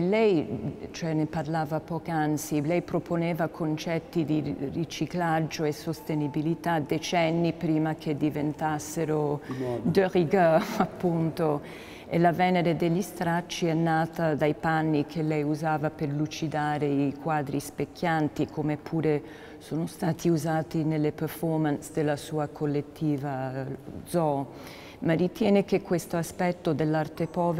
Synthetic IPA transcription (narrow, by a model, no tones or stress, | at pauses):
lɛjt͡ʃoɛneparlaːvapɔːkiant̪silɛjpɾopʰonɛːvakʰont͡ʃɛt̪ːid̪irit͡ʃiklad͡ʒːoesost̪enibilit̪ad̪et͡ʃɛnːipɾiːmakʰed̪ivent̪asːeɾod̪əɾiɡəfapːunt̪o | ḛlavɛneɾed̪eʎːist̪ɾat͡ʃːiɛnːaːt̪ad̪ajpanːikʰelːɛjuzaːvaperlut͡ʃid̪aːɾeikwaːd̪ɾispekʰːjant̪ikʰomepʰːuːɾe | soːnost̪aːt̪ʰiuzaːt̪inelːeperfɔrmansd̪elːasuːakʰolːet̪ːiːvad̪zɔ | marːit̪jɛːnek̟ekːwest̪oaspɛt̪ːod̪elːart̪epɔːv